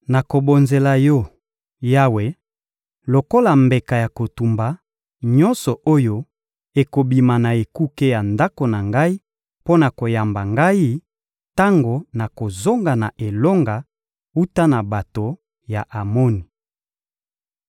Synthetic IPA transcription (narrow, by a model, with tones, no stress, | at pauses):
na˨ko˨bo˨nze˨la˨jɔ˦˨ | ja˦we˨ | lo˨ko˦la˨mbe˨ka˨ja˨ko˨tu˨mba˨ | ɲɔ˦nsɔ˨ʔo˦jo˦ | e˨ko˨bi˨ma˨na˨e˨ku˦ke˦ja˨nda˦ko˨na˨ŋɡa˦i˦ | po˦na˨ko˨ja˨mba˨ŋɡa˦i˦ | ta˦ŋɡo˨na˨ko˨zo˦ŋɡa˨na˨ʔe˨lo˦ŋɡa˨ | u˦ta˦na˨ba˨to˨ | ja˨ʔa˨mo˦ni˨